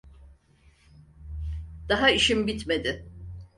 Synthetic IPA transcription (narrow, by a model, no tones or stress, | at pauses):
d̪̥aɦaiʃimbit̪me̞d̪ɪ